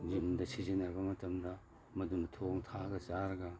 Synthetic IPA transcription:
ɡimdɐsizinɐɾbɐmɐtɐmdɐ | mɐdumtʰoŋtʰaɡɐt͡ʃaɾɐɡɐ

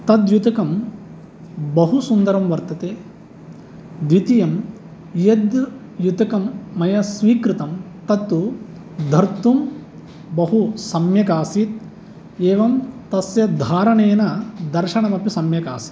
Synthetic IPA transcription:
t̪ɐd̪jut̪ɐkɐm | bɐɦusund̪ɐɾɐmʋɐɾt̪ɐt̪eː | d̪ʋit̪ijɐm | jɐd̪ | jut̪ɐkɐmːɐjɐsʋiːkɾɪt̪ɐm | t̪ɐt̪ːu | d̪ʱɐɾt̪um | bɐɦusɐmjɐkaːsit̪̚ | eːʋɐmt̪ɐsjɐd̪ʱaːɾɐɳeːnɐd̪ɐɾʃɐɳɐmɐpjisɐmjɐka̰ːsi̥t̪

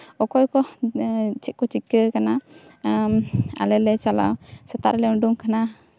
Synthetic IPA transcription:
ɔkɔjkɔ | t͡ʃʰit̪̚kɔt͡ʃikːəkana | a̰lɛlɛt͡ʃala̰wsat̪a̰ʔɾlɛɔɖuŋkʰana

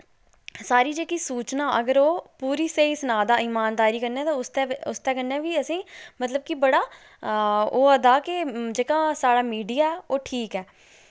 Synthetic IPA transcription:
saːɾiːd͡ʒeːkiːsuːt͡ʃnaːʔəɡəɾoːpuːɾiːseːiːsənaːd̪aːɪmaːnd̪aːɾiːkəɾnɛ̃ːt̪ãːʊst̪ɛːʊst̪ɛːkənːɛ̃ːʋiːəsĩːmət̪ləb̚kɪbəɽaː | oːəd̪aːkɪd͡ʒeːkãːsaːɽaːmiːɖijaːɛːoːʈʰiːkɛː

